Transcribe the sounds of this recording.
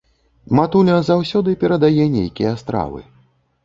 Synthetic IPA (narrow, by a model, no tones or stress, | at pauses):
mat̪ulʲɐzawsʲɔd̪ɨpʲɛɾɐd̪ajɛnʲejkʲijɐst̪ɾa̰vɨ̰